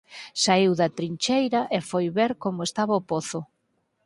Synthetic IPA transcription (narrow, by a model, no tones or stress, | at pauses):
saiwðat̪ɾiɲt͡ʃejɾɐʔefojβeɾkomʊest̪aβaʊpoθʊ